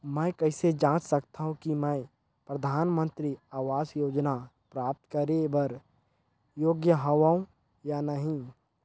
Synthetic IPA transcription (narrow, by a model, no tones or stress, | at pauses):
mɛ̃kɐɪsed͡ʒãːt͡ʃsəkt̪aɦũkimɛ̃ː | pɾəd̪ʱaːnmə̃nt̪ɾiaːʋaːsjoːd͡ʒna | pɾaːp̚t̪kəɾebɐɾ | joːɡjəɦɐʋaːũ | janəɦĩ